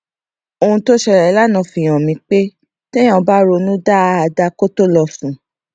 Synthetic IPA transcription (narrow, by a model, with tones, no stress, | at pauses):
o˧ũ˧to˦ʃɛ˧˨ɾɛ˨˦la˦nã˨˧˨fi˨j̃ɔ̃˨mĩ˧k͡pe˦ | tɛ̃˦ã˨˧ba˦ɾo˧nũ˦da˦a˧da˧ko˦to˦lɔ˧fũ˨˦